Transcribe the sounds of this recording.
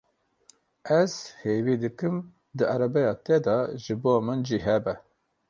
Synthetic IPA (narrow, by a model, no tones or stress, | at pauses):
ɛz̥heːviːd̪ɨkɨm | d̪ɨæɾɛbɛjɑːt̪ɛd̪ɑʒɨboːmɨnd͡ʒiːɦɛbɛ